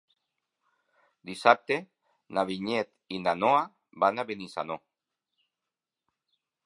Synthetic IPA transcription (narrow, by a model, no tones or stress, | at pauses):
d̪isap̚t̪e | naβiɲet̪inanoa | banaβenisa̰no